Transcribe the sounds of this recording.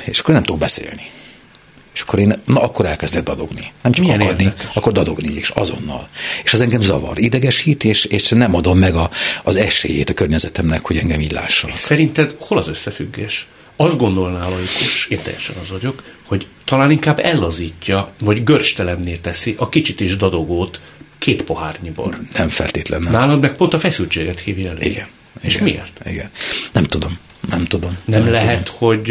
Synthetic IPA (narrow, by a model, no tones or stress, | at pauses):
eːʃɒkːornɛmt̪obɛsḛːlni | eːʃɒ̥kːoɾeːnnɒɒkːoɾɛlkɛzd̪ɛɡ̚d̪ɒd̪o̞̰ɡninɛmt͡ʃɒikjɛneːdd̪iɒkːord̪ɒd̪o̞ɡnieːʃɒ̰zo̞̰nːɒ̰leːʃɛzɛŋɡɛmzɒvɒ̰ɾid̪ɛɡɛʃiːt̪eːʃeːʃnɛmɒd̪o̞mːɛɡɒːzɛʃḛːjḛːt̪ɒkørɲɛzɛt̪ɛmnɛkhoɟɛŋɡɛmiːɟʲla̰ːʃːonsɛɾint̪ɛd̪ho̞lɒzø̞sːɛfyɡːḛːʃ | ɒzd̪ɡo̞nd̪o̞lnaːlɒjikʰuʃeːnt̪ɛ̰jːɛ̰ʃɛ̰nɒzɒɟo̞kho̞ɟt̪ɒlaːniŋkaːbːɛlːɒziːcːɒvɒɟɡørʃt̪ɛlɛmneːlt̪ɛsiʔɒkit͡ʃit̪iʒd̪ɒd̪o̞ɡoːt̪kʰeːt̪po̞ɦaːrɲibo̰lnɛmfɛ̰lt̪eːt̪lɛ̰nnaːlɒd̪mɛk̚po̞nt̪ɒfɛsylt͡ʃeːɡɛt̪hiːvjiɛløḭɡɛn | ḛːʃmiḛːrt̪ḭɡɛnnɛmt̪ud̪o̞m | nɛmt̪ud̪o̞mnɛmlɛɦɛt̪ho̞ɟ